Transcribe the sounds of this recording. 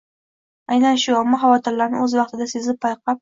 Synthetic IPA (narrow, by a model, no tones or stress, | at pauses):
ajnanʃʊamːɒɦawɒt̪ʰɪɾlːaɾnɪ̰ɵzwɑq̚t̪ʰɪd̪asezɪpʰːɑjqʰɑp̚